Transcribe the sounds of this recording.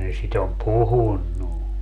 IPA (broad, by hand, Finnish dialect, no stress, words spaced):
ne sit om puhunːu